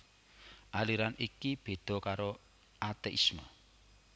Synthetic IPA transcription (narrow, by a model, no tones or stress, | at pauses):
ʔaliɾanikib̥e̤d̪̥ɔ̤kaɾo | at̪eʔḭsma